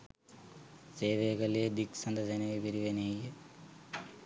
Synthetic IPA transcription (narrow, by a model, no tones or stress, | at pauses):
seːʋeːɡɐled̪iksɐnd̪ɐsenɐʋipiɾiʋɐnejɐ